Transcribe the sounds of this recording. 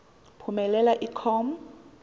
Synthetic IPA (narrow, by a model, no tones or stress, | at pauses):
pʰumɛlɛlaʔikʰɔm̩